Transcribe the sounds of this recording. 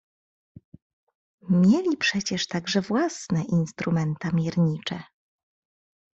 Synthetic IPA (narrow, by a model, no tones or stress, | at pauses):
mʲjelʲipʂɛt͡ɕɛʂt̪aɡʐɛvwasnɛʔinst̪ɾumɛnt̪amʲjɛɾɲit͡ʂɛ